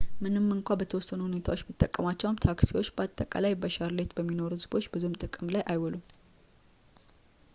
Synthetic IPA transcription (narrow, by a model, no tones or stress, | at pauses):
mɨnɨmːɨŋkʷabət̪ʰəwɔsːənuhune̞t̪ʰawot͡ʃːmit̪ʼːəkʼːəmat͡ʃːɛwmt̪ʰaksiwo̞t͡ʃːbəat̪ʼːəkʼa̰lajbəʃaɾle̞t̪bəmːino̞ɾuhɨzbo̞t͡ʃːbɨzumt̪ʼɨkʼɨmlajʔajwɔlum